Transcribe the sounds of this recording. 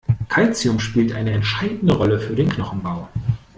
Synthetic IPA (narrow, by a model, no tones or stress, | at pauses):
kʰalt͡siʊmʃpiːltʔa̰ɪnəɛntʃaɪdn̩dəʁɔləfyːɐdeːnkʰnɔχn̩baʊ